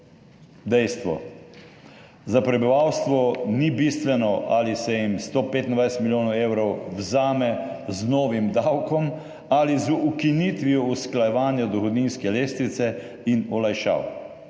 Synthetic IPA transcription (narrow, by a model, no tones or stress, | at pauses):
d̪ɛjst̪ʋɔ̰ | zapɾɛbiʋawst̪ʋɔnibist̪ʋɛnɔʔalisɛjimst̪opeːt̪ind̪ʋajsɛt̪milʲjoːnɔweːwɾɔwwzaːmɛ | znoːʋimd̪awkɔm | alizuukiniːt̪ʋiɔusklajɛʋaːnjad̪ɔxɔd̪niːnskɛleːst̪ɾit̪sɛ | inɔlajʃa̰ːw